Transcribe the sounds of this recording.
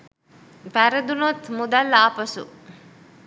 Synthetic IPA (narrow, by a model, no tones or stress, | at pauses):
ʋæɾəd̪unot̪mud̪alːaːpɐsṵ